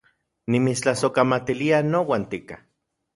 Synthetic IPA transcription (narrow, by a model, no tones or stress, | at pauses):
nimit͡st͡ɬasokamat̪ilianowaːnt̪ika